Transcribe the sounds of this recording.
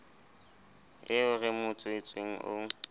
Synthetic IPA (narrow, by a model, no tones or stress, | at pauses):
ɪʊrɪmʊt͡sʼʊɪt͡sʼweŋ̩ʔo̰